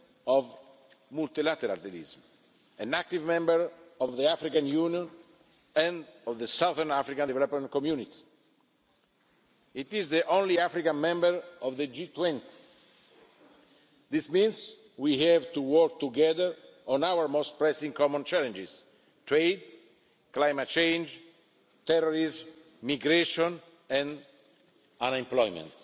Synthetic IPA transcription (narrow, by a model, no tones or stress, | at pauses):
ɔv | mult̪ilat̪ɛɾa̰lḭzm | ɛ̃nak̚t̪ivmɛ̃mbəɹɔvðiafɾikãnjunjɔ̃n | ɛ̃nɔvðəsawðəɹnafɾikãndvɛlɔpmɛ̃nt̪kɔmjunit̪i̥ | it̪izðiʔõnliafɾikãnmɛ̃mbəɹɔvðəd͡ʒit̪wɛ̃nt̪i̥ | d̪ismĩns | wihɛvt̪uwɔɹk̚t̪uɡɛðəɹɔ̃nawəɹmos̚pɾɛsĩŋkɔmɔ̃nt͡ʃɛlɛ̃nd͡ʒiz̥ | t̪ɹejd̪ | klajmat̚t͡ʃẽjnd͡ʒ | t̪ɛɾɔɹiz | miɡɾeʃɔ̃n | ɛ̃n | ãnɛ̃mplɔjmɛ̰̃nt̪